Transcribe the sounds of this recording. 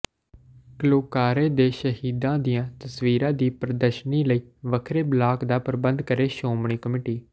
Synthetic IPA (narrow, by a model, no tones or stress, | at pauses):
kəloːkaːɾeːd̪eːʃəɦiːd̪ãːd̪ɪjãːt̪əsʋiːɾãːd̪iːpɾəd̪əɾʃniːləiːʋəkʰɾeːblaːkd̪aːpəɾbənd̪kəɾeːʃoːmɳ̃iːkəmɪːʈiː